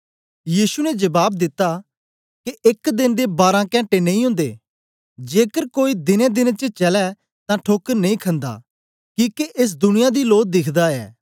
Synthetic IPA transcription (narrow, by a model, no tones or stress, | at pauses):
jiːsunɛd͡ʒɐbaːb̚d̪ɪt̪ːa | keʔɪkd̪ɪnd̪ebaːɾãkɛ̃ːɳʈenɐ̃ĩɦʊ̃nd̪ḛː | d͡ʒeːkəɾkoːid̪ɪnɛ̃d̪ɪnt͡ʃət͡ʃɐlɛ | t̪ãʈʰoːkəɾnɐĩkʰə̃nd̪a̰ː | kĩːkeʔɪs̬d̪ʊnɪjad̪iloːk̚d̪ɪkʰd̪aɛ̰ː